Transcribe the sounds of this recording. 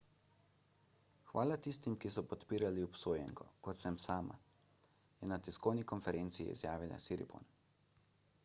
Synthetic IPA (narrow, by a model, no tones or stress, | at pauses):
xʋaːlat̪ist̪imkisɔpɔt̪piːɾaliɔpsoːjɛ̰ŋkɔ̰kɔt̪sɛmsaːma̰ | jɛnat̪iskɔwnikɔnfɛɾʔeːnt̪siḭḭzjaːʋila̰siɾḭpo̰n